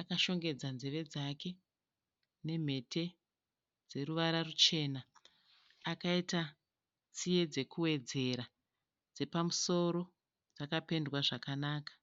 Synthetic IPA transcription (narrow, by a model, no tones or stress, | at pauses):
akaʃo̞ŋɡe̞d͡zanzeʋe̞d͡zake̞ | ne̞m̤e̞tʰe̞ | d͡ze̞ɾuʋaɾarut͡ʃe̞ːnaː | kaita | t͡sije̞d͡ze̞kuwe̞d͡ze̞ɾa | d͡ze̞pamuso̞ɾo̞ | d͡zakape̞ndwaʐakanaːkḁ